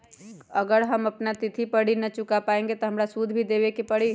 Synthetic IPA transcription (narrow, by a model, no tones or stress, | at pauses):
əɡəɾɦəməpnat̪ɪt̪ʰipəɽinət͡ʃʊkapaẽŋɡet̪ɔɦəmɾasud̪ʱbʱid̪eʋekepəɽi